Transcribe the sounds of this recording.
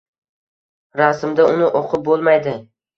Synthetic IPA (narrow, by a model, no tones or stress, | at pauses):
ɾasɪmd̪aʊnɪʔoqʰɨp̚bolˠmajd̪ɪ